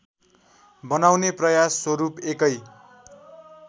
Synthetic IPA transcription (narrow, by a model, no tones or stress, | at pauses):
bʌnawneprʌjasːwʌɾupekʌj